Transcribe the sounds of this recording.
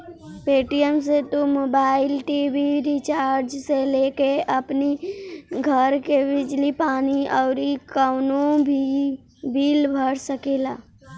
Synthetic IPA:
peːʈijəmset̪umoːbaːɪlʈiːʋiɾit͡ʃaːɾd͡ʒseleːkeəpniɡʱəɾkebɪd͡ʒlipaːniɔːɾikəʊnõbʱi | bʱiːlbʱəɽsəkeːlaː

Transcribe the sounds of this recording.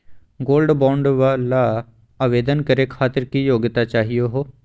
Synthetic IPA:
ɡoːlɖbɔ̃ːɳɖʋala | aːʋeːd̪ənkɐɾekʰaːt̪ɪɾkijoːɡt̪at͡ʃaːɦijoɦoː

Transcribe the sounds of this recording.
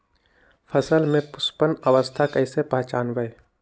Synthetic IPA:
fʰəsəlmẽpʊspənɐʋəst̪ʰakɐɪsepɐɦt͡ʃaːnʋəe

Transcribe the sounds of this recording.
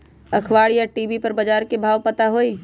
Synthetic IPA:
ɐkʰʋaːɽijaʈiːbipɐɾbɐd͡ʒaːɾkebʱaːʋpɐt̪aɦoːiː

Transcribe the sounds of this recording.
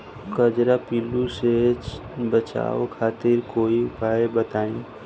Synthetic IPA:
kəd͡ʒɾapiːluset͡ʃbət͡ʃa̰ːokʰaːt̪ɪɾkoːiʊpaːebət̪aːĩ

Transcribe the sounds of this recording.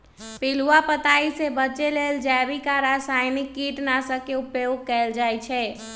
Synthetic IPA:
pɪluwapət̪aːisebəːt͡ʃeleld͡ʒɛbikaɾasaːɪnɪkːiːʈnasəkeʊpjoɡ̚kɛld͡ʒaːjt͡ʃʰɛ

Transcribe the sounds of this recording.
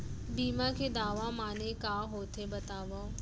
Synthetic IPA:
biːmakʰeːd̪aːʋamaːnekaːɦoːt̪ʰebɐt̪aːʋa

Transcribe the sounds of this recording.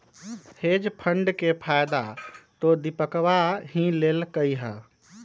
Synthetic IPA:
hed͡ʒpʰəɳɖkepʰajd̪at̪od̪ipəkʋaɦĩlelkəjɦə

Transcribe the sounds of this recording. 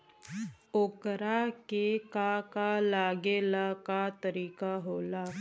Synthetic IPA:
oːkɾakekakalaɡeːlakat̪əɾiːkaɦoːla

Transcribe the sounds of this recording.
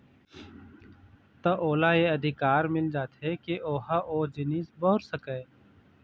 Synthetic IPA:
t̪ɐʔoːlajeɐd̪ʱɪkaːɾmɪld͡ʒaːt̪ɦɛkeʔoːɦaʔoːd͡ʒɪniːsbɔɦʊɾsəkɛː

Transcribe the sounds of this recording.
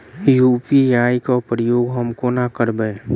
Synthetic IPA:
jupiaːikapɾəjoːɡɦəmkonakəɾbəː

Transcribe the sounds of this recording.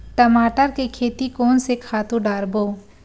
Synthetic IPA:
ʈəmaːʈəɾkekʰeːt̪ikɔːnsekʰaːt̪ũɖaːɾboː

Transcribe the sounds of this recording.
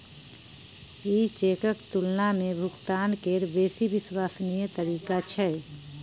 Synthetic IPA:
iːt͡ʃeːkəkt̪ʊlnamẽbʱʊɡt̪aːnkeːɾbeːsibɪswaːsnijət̪əɾiːkat͡ʃʰɛ

